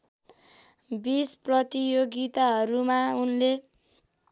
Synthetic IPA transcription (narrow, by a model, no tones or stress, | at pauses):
bisprʌt̪ijoɡit̪aɦʌɾumaunle